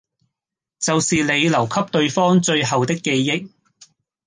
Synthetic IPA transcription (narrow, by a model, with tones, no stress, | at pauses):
t͡sɐ˨wsiː˨le˨˧jlɐ˨˩wkʰɐ˥p̚t̪ɵ˧ɥfɔː˥ŋt͡ʃɵ˧ɥɦɐ˨wt̪ɪ˥kːe˧jːɪ˥k̚